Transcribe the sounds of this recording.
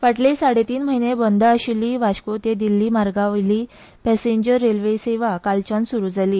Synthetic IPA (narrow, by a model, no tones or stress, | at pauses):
ʋaʈlesaɽet̪iːnməɦinebɔnd̪aəɕiliːʋaɕkot̪ed̪ilːiːmaɾɡaʋliː | pɛseɲd͡ʑəɾːelʋeseʋakalt͡ɕãnsuɾuːd͡zʱaliː